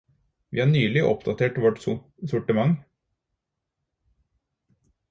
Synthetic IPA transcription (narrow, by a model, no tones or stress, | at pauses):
ʋḭːhɑːnyːlɪʔɔ̰pd̪ɑt̪ʰeːʈʋɔʈs | sʊʈəmɑŋ